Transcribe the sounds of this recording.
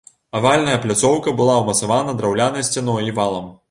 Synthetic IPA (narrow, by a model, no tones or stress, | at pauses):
avalʲnɐjɐplʲat̪sɔwkɐbɨlˠawmɐt̪savanɐd̪ɾawlʲanɐjsʲt͡sʲanɔjivalˠɐm